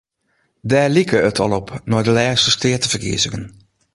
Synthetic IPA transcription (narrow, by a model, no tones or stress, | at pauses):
dɛːlikəətʰɔlˠɔpnɔjdəlɛːstəstɪətəvərkḭəzəɡən